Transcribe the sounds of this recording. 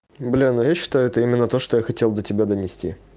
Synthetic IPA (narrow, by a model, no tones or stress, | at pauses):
blʲenʊjaɕːɪ̥t̪ajʊɛt̪əimʲɪnːət̪o̞ʂt̪ojaxɐtʲe̞lˠd̪ətʲɪbʲad̪ənʲɪsʲtʲḭ